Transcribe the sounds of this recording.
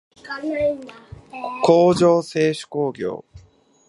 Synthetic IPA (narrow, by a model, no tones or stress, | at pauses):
koːd͡ʑo̞ːse̞ːɕɨ̥ko̞ːɡʲo̞̰ː